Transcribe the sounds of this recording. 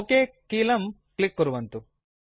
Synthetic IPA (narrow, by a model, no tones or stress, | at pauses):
okeːkiːlɐm | klikːuɾuʋɐnt̪u